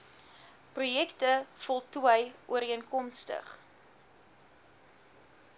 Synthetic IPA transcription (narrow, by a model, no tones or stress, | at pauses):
prujɛktəfɔlˠtuəjʔuəɾiənkɔmstə̰χ